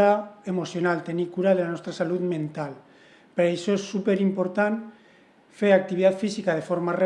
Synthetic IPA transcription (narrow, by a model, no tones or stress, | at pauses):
aemosjonalt̪e̞nikuɾaðelanest̪ɾasaluðmẽ̞nt̪al | peɾaesoesːupeɾimpo̞ɾt̪an | feɾak̚t̪iβiðat̪fisikað̞e̞fo̞ɾmare